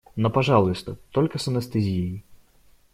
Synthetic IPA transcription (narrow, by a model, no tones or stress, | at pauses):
nopɐʐalˠʊjʊst̪ət̪olʲkəsɐnɐst̪ɨzʲejɪ